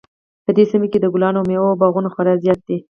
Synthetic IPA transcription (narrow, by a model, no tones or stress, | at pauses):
pəd̪esimeked̪əɡʊlɑnomeobɑɣunaxwaɾazjɑt̪̚d̪e